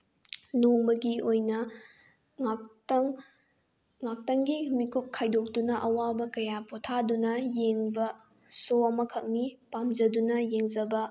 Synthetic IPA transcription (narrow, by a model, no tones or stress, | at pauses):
noŋbɐɡiojnɐ | tŋ | ŋak̚tɐŋɡimikup̚kʰajdok̚dunɐʔɐwabɐkɐjapotʰadunɐjeŋbɐ | soɐmɐkʰɐk̚nipamzɐdunɐjeŋzɐbɐ